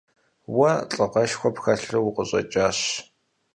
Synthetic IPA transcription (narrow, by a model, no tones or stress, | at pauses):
wɐt͡ɬʼɨʁɐʃxʷɔpxɐɬɨwʊqəɕʼɐ̰t͡ʃʼaːɕ